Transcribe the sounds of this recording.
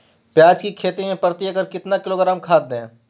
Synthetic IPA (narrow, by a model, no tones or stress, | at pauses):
pjaːd͡ʒkikʰeːt̪imẽpɐɾt̪iɐɡəɾkɪt̪nakɪloːɡəɾəmkʰaːd̪ɛ̃ː